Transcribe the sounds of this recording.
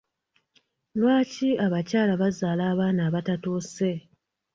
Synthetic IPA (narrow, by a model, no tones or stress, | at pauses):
lwaːciaβacaːlaβazaːlaːβaːnaːβatatoːse̞